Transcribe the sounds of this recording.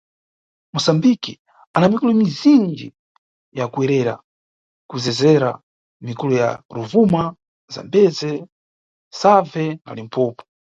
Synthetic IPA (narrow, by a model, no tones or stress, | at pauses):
musambiki | anamikulumizind͡ʒi | jakuɛɾɛɾa̰ | kuzɛzɛɾa̰ | mikuluja̰ɾuvuma | za̰mbɛzɛ | savɛna̰lim̩pʰɔːpɔ̥